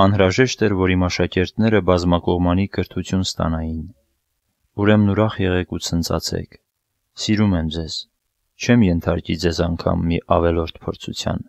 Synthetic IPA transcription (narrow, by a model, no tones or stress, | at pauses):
ɑnɾɑʒɛʃt̪ɛɾvɔɾimɑʃɑkɛɾt̪nɛɾəbɑzmɑkɔʁmɑnikəɾt̪ʰut͡sʰjunst̪ɑ̰nɑjin | uɾɛmnuɾɑχjɛʁɛkut͡sʰənt͡sʰɑ̰t͡sʰɛ̰kʰ | siɾumɛmd͡zɛz̥ | t͡ʃʰɛmjɛnt̪ʰɑɾkid͡zɛzɑŋkʰɑ̰mːiʔɑvɛlɔɾt̪ʰpʰɔɾt͡sʰṵt͡sʰjɑ̰n